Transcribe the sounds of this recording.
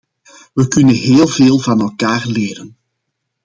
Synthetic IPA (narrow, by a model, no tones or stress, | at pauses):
ʋəkʏnənɦeːlˠveːlˠvɑnɛlˠkaːrleːɾən